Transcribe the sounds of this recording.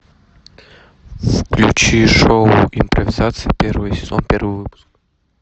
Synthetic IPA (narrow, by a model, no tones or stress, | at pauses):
fklʲṵt͡ɕiʂoʊimpɾɐvʲɪzat̪sɨjipʲervɨjəsʲɪ̥zonpʲervɨjvɨpu̥sk